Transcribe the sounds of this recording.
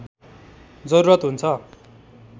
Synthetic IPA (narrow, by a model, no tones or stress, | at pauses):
d͡zʌɾuɾʌt̪ɦunt͡sʰʌ